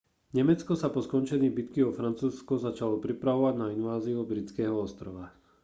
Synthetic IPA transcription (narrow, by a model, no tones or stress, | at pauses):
ɲɛmɛt͡skɔsapɔskɔnt͡ʃɛɲiːbit̪kiɔfɾant͡suːskɔzat͡ʃalɔpɾipɾaʋɔʋaɟnainʋaːziuɔbɾit͡skɛːɦɔɔst̪ɾɔʋa